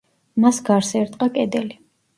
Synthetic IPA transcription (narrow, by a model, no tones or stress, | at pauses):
masɡaɾsɛɾt̪ʼqʼakʼɛd̪ɛli